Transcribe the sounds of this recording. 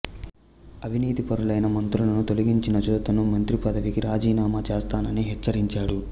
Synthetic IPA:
ɐbʱiniːt̪ipɐɾulɐjnɐmɐnt̪ɾulɐnut̪oliɡiɲt͡ʃinɐd͡ʒɔːt̪ɐnumɐnt̪ɾipɐd̪ɐʋikiɾaːd͡ʒiːnaːmɐt͡ʃeːst̪aːnɐniɦɛt͡ʃːɐɾiɲt͡ʃaːɽu

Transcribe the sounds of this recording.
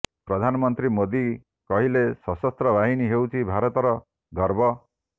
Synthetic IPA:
pɾɔd̪ʱanɔmɔnt̪ɾimod̪i | kɔɦilesɔsɔst̪ɾɔbʱaɦiniɦewt͡ʃʰibʱaɾɔt̪ɔɾɔ | ɡʱɔɾbʱɔ

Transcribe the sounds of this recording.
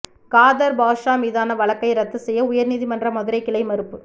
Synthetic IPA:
kaːðɐɾbaːʂaːmiːðaːnɐʋɐɭɐkːɐɪɾɐt̪ːɯsɛjːɐʊjɐɾniːðimɐndrɐmɐðɯɾɐɪkːɪɭɐɪmɐɾɯpːɯ

